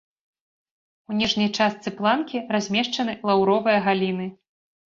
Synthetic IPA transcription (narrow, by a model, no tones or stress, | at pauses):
unʲɛʐnʲɐjt͡ʂast̪sɨplˠankʲirazʲmʲɛʂt͡ʂɐn̪ɨlˠawɾɔvɨjɐɣalʲinɨ